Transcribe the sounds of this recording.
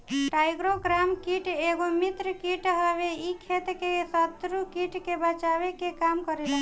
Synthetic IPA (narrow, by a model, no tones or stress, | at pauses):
ʈajɡɾoɡɾamkiʈeɡomit̪ɾəkiʈɦəβeikʰet̪kesət̪ɾukiʈkebət͡ʃabekekamkəɾelə